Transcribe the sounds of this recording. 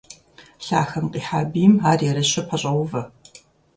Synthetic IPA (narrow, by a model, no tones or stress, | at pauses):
ɬa̰ːxɐmqʼiːħaːbiːmaːrjɛɾɐɕɐpʰɐɕʼɐwʊvɐ